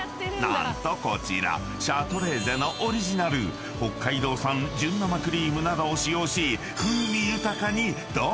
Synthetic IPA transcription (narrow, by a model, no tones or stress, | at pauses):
nã̰nt̪o̞ko̞t͡ɕḭɾa̰ | ɕaːt̪o̞ɾe̞ːze̞noʔoɾʲiʑinaɾɯ̟ | ho̞kʰːaid̪o̞ːsãɲd͡ʑɨ̃nːomakɯɾʲiːmɯ̟nad̪oːɕijo̞ːɕi | ɸɯ̟mʲijɯ̟t̪akaɲ̟i | d̪̥o